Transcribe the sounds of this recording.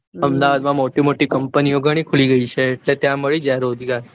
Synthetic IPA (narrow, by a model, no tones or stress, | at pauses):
əmd̪aʋad̪mãmoʈimoʈikəmpənioɡʱəɽ̃ikʰuliɡəit͡ʃʰeːʈlet̪jãməɭid͡ʒaɾod͡ʒɡaɾ